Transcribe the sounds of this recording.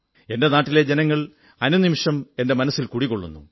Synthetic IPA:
e̞nde̞naːʈːile̞d͡ʑe̞nɐŋːɐɭ | ɐnunimiʂɐme̞nde̞mɐnɐsːilkuːɽikːoɭːṵnːṵ

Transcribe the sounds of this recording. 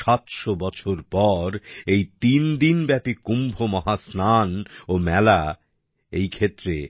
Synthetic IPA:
at̪ʃobɔt͡ɕʰoɾpɔɾejt̪ind̪inbɛpikumbʱomɔɦasnanomɛla | ejkʰet̪ːɾe

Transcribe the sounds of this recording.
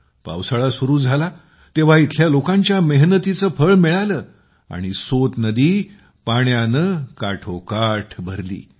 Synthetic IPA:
pa̰wsəɭasuɾuːd͡zʱala | t̪eʋ̤ait̪ʰljalokãɲt͡ɕjameɦnət̪it͡səfʰəɭmiɭaləː | a̰ɽ̃isot̪nəd̪iː | paɳjanəkaʈʰokaʈʰbʱəɾlḭː

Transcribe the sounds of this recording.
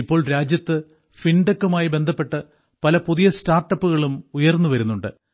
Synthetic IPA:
ipːo̞ːɭɾaːd͡ʑjɐt̪ːɨ | fiɳɖɐkːumaːjibe̞nd̪ʱɐpːe̞ʈːɐ | pɐlɐpuðijɐstaːrʈːɐpːuɣɐɭumujɐrnːuʋɐɾunːuɳɖɨ

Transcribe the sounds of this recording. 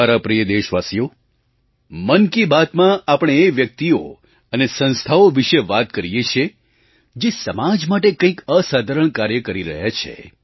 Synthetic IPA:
aɾapɾijəd̪eʃʋasjo | mənkibat̪mãapəɳ̃eːʋjək̚t̪io | ənesə̃nst̪ʰaoʋiʃeʋat̪kəɾijet͡ʃʰe | d͡ʒesəmad͡ʒmaʈ̬ekə̃ĩkəsad̪ʱəɾəɳ̃kaɾjəkəɾiɾə̰ɦjat͡ʃʰḛ

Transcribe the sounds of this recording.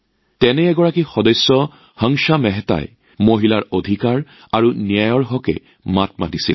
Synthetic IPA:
tɛnɛːɡɔɹakixɔdɔjsːɔ | haŋʃamɛɦɛta̰j | moɦilaɹodʱikaɹ | aɹunijajɔɹɦɔkɛ̰ | mat̚matisil

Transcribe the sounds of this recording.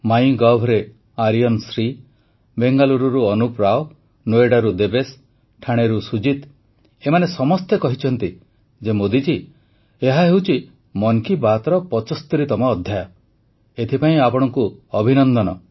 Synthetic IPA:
maj̃ɡawbʱɔɾe | aɾijɔnsɾi | beŋɡaluɾuɾuɔnupɾaɔ | noeɽaɾud̪ebes | ʈʰaɽ̃eɾusud͡ʒit̪ | emanesɔmɔst̪ekɔɦit͡ʃʰɔn̪t̪i | d͡ʒemod̪id͡ʒi | eɦaɦewt͡ʃʰi | mɔŋkibat̪ɔɾɔpɔt͡ʃɔst̪iɾit̪ɔmɔːd̪ʱjajɔ | et̪ʰipaĩapɔɽ̃ɔŋkuɔbʱinɔnd̪ɔnɔ

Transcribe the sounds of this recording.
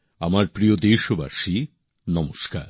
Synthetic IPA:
amaɾpɾiod̪eʃoba̰ʃi | nɔmoʃka̰ɾ

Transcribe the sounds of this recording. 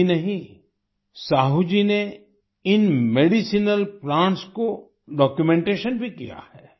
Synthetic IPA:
inɐɦĩ | saːɦud͡ʒine | ɪnmeːɖisinəlplãːɳʈsko | ɖɔːkjumẽɳʈeːʃənbʱikija̰hɛː

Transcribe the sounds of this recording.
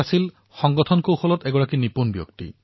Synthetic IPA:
asil | xɔŋɡɔt̪ʰɔnkowxɔlɔt̪eɡɔakinipunbjo̰kt̪ḭ

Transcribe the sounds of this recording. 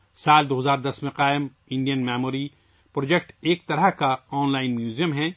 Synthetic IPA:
saːld̪oːɦɐzaːɾd̪ɐsmẽqaːɪm | ɪ̃ɳɖijənmɛːmoːɾi | pɾoːd͡ʒekʈeːk̚t̪ɐɾəɦkaɔːnlaːɪnmjuːzijəmɦɛ̃

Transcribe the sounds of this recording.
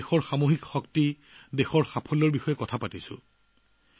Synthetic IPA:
xɔɹxamoɦikxɔkti | dexɔɹxapʰɔlɔɹbixɔjɛkɔtʰapatisʊ̰̃

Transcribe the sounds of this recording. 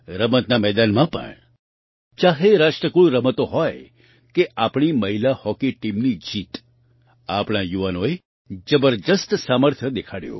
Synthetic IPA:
ɾəmət̪namɛd̪anmãpə̰ɳ | t͡ʃaɦeɾaʃʈɾəkuɭɾəmət̪oɦɔj | keʔapɳ̃iməɦilahɔkiʈimnid͡ʒit̪ | a̰pɽ̃ajuʋanoe | d͡ʒəbəɾd̪əst̪saməɾt̪ʰjəd̪ekʰaɽjõ̰

